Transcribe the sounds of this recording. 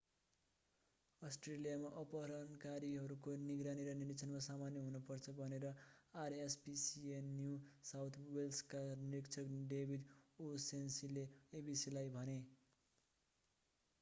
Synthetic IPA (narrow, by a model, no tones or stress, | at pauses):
ʌsʈrelijamaʔʌpʌɾʌnkaɾiɦʌɾukoniɡɾaniɾʌnirit͡sʰʌnmasamanjʌɦunupʌrt͡sʰʌbʱʌneɾʌarespisiejusawt̪ʰwelskaniɾikt͡sʰʌkɖebʱid̪osensileebisilajbʱʌne